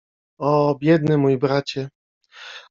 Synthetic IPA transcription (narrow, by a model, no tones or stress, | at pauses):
ɔbʲjɛd̪̚nɘmujibɾat͡ɕɛ